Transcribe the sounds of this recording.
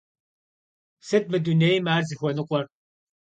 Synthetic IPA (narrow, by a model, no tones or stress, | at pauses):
sɨt̚mɨdunejmaːrzixʷɔnɨqʷʼɔr